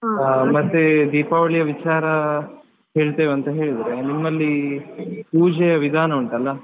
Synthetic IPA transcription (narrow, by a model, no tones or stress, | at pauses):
mɐt̪ːed̪iːpaːʋɐɭijɐʋit͡ʃaːɾɐ | ɦe̞ːɭt̪ɐːʋeɐnt̪ɐɦe̞ːɭid̪ɐɾenimːɐlːi | puːd͡ʒɛjɐʋid̪ʱaːnɐuɳʈɐlːɐ